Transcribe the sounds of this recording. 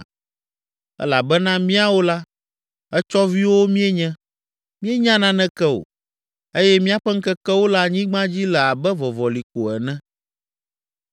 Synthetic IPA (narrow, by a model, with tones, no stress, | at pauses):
ɛ̰˦la˨bɛ˦nã˦mĩ˦a˦wo˦la˦ | ɛ˦t͡ʃɔ˦vi˦wo˦mĩ˦ɛ˦ɲɛ̃˦ | mĩ˦ɛ˦ɲã˦nã˦nɛ̃˦kɛ˦o̰˨ | e˦jɛ˦mĩ˦a˦ɸɛ˦ŋ̩˦kɛ˦kɛ˦wo˦la˦ɲĩ˦ɡ͡bã˦d͡ʑi˦lɛ˨a˨bɛ˦vɔ˨vɔ˨li˨ko˨ɛ˨nɛ̃˦